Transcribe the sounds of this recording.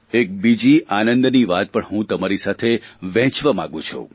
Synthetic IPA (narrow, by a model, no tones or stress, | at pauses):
ek̚bid͡ʒiʔanə̃nd̪niʋat̪̚pəɳɦũt̪əmaɾisat̪ʰeʋɛ̃ɦt͡ʃʋəmã̰ɡũt͡ʃʰṵ